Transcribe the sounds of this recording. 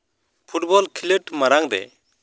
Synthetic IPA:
pʰuʈ̚bɔlkʰiləʈmaɾaŋd̪ɛ̰

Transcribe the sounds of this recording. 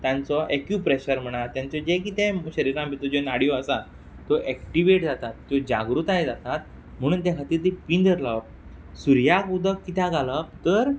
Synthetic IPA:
t̪jãnt͡sɔʔekjupɾeɕəɾm̤əɽ̃aɾt̪jãnt͡sɔd͡ʑek̬it̪ẽɕəɾiɾãmbʱit̪ɔd͡ʑenaɽijɔəsa | t̪oʔɛkʈiʋeʈ̚d͡zat̪at̪ːod͡ʑa̰ɡɾut̪ajd͡zat̪at̪̚ | m̤əɽ̃uːnt̪ɛ̃kʰat̪iːɾt̪ipind̪əɾləp̚ | suɾjakud̪ʱəkːit̪aɡaləpt̪əɾ

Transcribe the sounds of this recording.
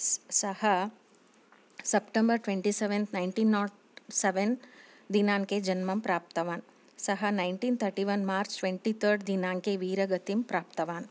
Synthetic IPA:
sɐhɐ | sɐpʈẽmbɐɾʈʋeɳʈiseʋẽnt̪najɳʈiːnːɔː | seʋen | d̪inaːŋkeːd͡ʒɐnmɐmpɾaːp̚t̪ɐʋaːn | sɐɦɐnajɳʈiːnt̪ʰɐɾʈiʋɐnmaːɾt͡ʃʈʋeɳʈit̪ʰəɾɖd̪inaːŋkeːʋiːɾɐɡɐt̪impɾaːpt̪ɐʋaːn

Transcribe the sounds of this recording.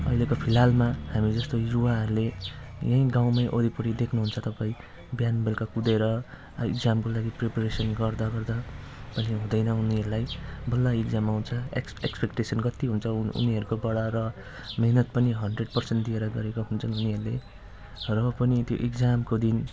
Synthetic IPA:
ʌ̰jlekopʰilɦalmahamid͡zʌst̪oruwaɦʌɾulejʌ̃ĩɡaw̃majʔoɾipuɽid̪ekʰnuɦunt͡sʰʌt̪ʌpaĩ | bjanbelkakud̪eɾʌ | ḭɡd͡zamkolaɡiprepʌresʌnɡʌrd̪aɡʌrd̪a | pʌniɦũd̪ʌjnʌuniʌɾulajbʌlːaiɡd͡zamawunt͡sʰʌḛ | ḛkspekʈesʌnɡʌt̪ːiɦunt͡sʰʌṵniʌɾukobʌɽʌrʌ | meɦnʌt̪̚pʌniɦʌnɖreɖpʌrsenʈd̪ieɾʌɡʌɾekoɦunt͡sʰʌnɦuniɦʌɾule | rʌpʌnit̪jo̰ʔeɡd͡zamkod̪in

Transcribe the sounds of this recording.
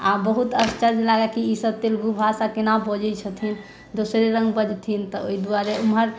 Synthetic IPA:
abəɦut̪əst͡ʃəɾd͡ʒlaɡakiisəb̚t̪elɡubʱasakenabɔd͡ʒɛt͡ʃʰət̪ʰin | d̪osɾeɾə̃ŋɡbəd͡ʒt̪ʰint̪ɔoid̪uaɾeumɦəɾ

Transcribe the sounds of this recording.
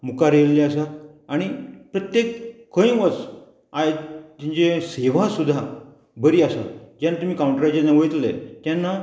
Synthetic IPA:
mukaɾelleasa | aɽ̃ipɾət̪jekkə̃ĩʋət͡s | aet̪ĩɲt͡ɕeseʋasud̪ʱːa | bəɾiːasad͡ʑjanːat̪um̤iːkawũɳʈɾat͡ɕanaʋəjt̪lḛt̪janːa

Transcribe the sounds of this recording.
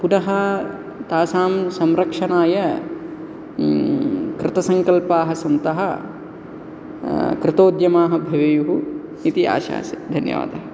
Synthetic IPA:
punɐɦɐ | t̪aːsaːmsɐmɾɐkʂɐnaːjɐ | kɾɪt̪ɐsɐŋkɐlpaːɦɐsɐnt̪ɐɦɐ | kɾɪt̪oːd̪jɐmaːɦɐbʱɐʋɐjuɦu | nit̪ia̰ːʃa̰ːsid̪ʱɐnjɐ̰ʋa̰ːd̪ɐɦɐ

